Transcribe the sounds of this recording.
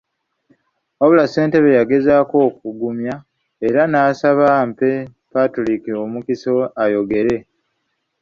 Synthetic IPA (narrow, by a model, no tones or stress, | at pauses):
oβulase̞ːnte̞βejaɡe̞zako̞ːk̚uɡumja | e̞ɾanaːsaβampe̞ | patolikio̞mukiso̞ajo̞ɡe̞ɾe̞